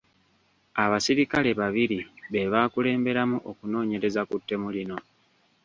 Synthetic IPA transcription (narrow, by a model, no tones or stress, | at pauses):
aβasiɾikale̞βaβiɾiβe̞βaːkule̞ːmbe̞ɾamuʔokuno̞ːɲe̞ɾe̞zakutːe̞mulino̞